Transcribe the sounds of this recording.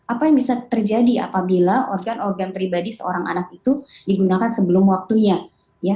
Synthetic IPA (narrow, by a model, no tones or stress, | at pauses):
ʔapajaŋbisat̪ərd͡ʒadia̰pabilaʔɔrɡanɔrɡanpɾibadisəo̰ɾaŋʔa̰nak̚it̪udiɡunakansəbəlʊmwak̚t̪uɲa | ja